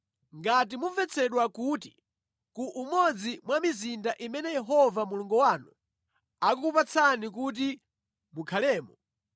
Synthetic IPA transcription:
ŋɡatimuvɛt͡sʰɛɗwakuːti̥̰ | kuʔːmɔd͡zimwamizindaʔimɛnɛjɛɦɔvamuluŋɡɔwaːnu | akukupat͡sʰanik̬ut̬i | mukʰalɛːmɔ

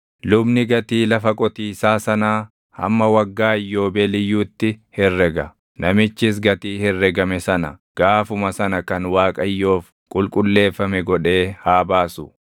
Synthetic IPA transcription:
lʊbnɪɡɐt̪iːlɐfɐkʼɔt̪iːsaːsɐnaː | ɐ̰mːɐwɐɡːaːɪjːo̞ːbɛlɪjːuːt̪ːɪhɛrːɛɡɐ | nɐmɪt͡ʃːɪs̬ɡɐt̪iːhɛrːɛɡɐmɛsɐnɐ̰ɡ̥aːfʊmɐsɐnɐkɐnwaːkʼɐjːo̞ːf | kʼʊlkʼʊlːe̞ːfːɐmɛɡɔᶑe̞ːhaːbaːsʊ

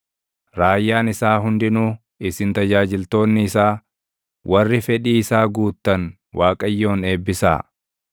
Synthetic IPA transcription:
ɾaːjːaːnɪsaːɦʊnd̪ɪnuː | ɪsɪnt̪ɐd͡ʒaːd͡ʒɪlt̪o̞ːnːɪːsaː | wʔɐrːɪfɛᶑiːɪsaːɡuːt̪ːɐn | wʔaːkʼɐjːo̞ːne̞ːbːɪsa̰ː

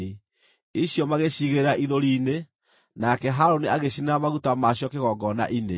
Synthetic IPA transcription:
i | iɕjɔmaɣeɕiɣeɾaʔiðoɾiːne | nakɛɦaɾoniaɣeɕinamaɣutamaɕjɔkeɣɔɡɔna̰ʔine

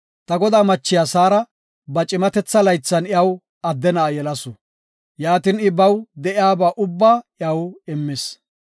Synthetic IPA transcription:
t̪ɐɡɔd̪aːmɐt͡ʃːɪjaːsaːɾɐ | bɐt͡ʃʼɪmɐt̪ɛt͡sːɐlɐjt͡sːɐnɪjɐw | ɐd̪ːɛnɐːjɛlɐsɔ | jaːt̪ɪnɪbɐwd̪ɛʔɪaːbaːʔʊbːaːɪɐwɪmːɪs

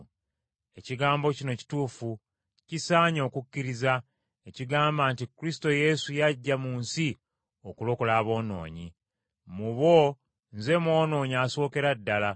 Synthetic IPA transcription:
e̞ciɡaːmbo̞cino̞ci̥tuːfu | cisaːɲo̞ːkucːiɾiza | eciɡaːmbaːntikɾis̬i̥to̞je̞sujaɟːamuːnsi | o̞kulo̞kolaːβo̞ːno̞̰ːɲḭ | muβo̞ | nze̞mwo̞ːno̞ːɲiaso̞ːke̞ɾadːala

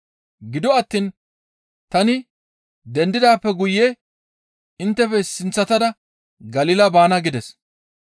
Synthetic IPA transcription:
ɡɪd̪ɔɐt̪ːiːn | t̪ɐnɪ | d̪ɛnd̪ɪd̪aːpːɛɡʊjːɛ | ɪnt̪ːɛpɛsɪnt͡sːɐt̪ɐd̪ɐ | ɡɐliːlɐbaːnɐɡɪd̪ɛs

